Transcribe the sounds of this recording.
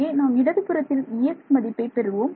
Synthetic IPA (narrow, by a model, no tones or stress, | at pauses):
eːnaːmɪɽɐðɪpːɯɾɐt̪ːɪlɪjɛkmɐðɪpːɐɪpɛɾɯʋoːm